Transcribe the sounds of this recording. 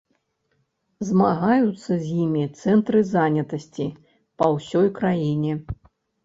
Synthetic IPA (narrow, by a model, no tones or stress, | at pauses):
zmaɣajut̪sːɐzʲjimʲit̪sɛnt̪ɾɨzanʲɐt̪ɐsʲt͡sʲi | pɐwsʲɔjkɾajinʲɛ